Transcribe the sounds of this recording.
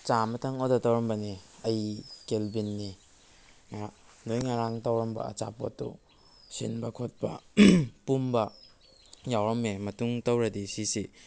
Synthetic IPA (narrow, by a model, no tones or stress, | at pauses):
t͡ʃamɐtʰɐŋodɐtɐwɾɐmbɐniɐjkelbinːi | ŋanojŋaɾaŋtɐwɾɐmbɐ̰ɐ̰t͡ʃa̰po̰tːṵ | sinbɐkʰot̚pɐ̰pumbɐ | jawɾɐmemɐtuŋtɐwɾɐdisisi